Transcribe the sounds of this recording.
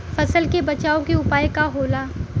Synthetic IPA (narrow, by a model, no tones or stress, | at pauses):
fɐsəlkebɐt͡ʃaːõkeʊpaːekaɦoːlaː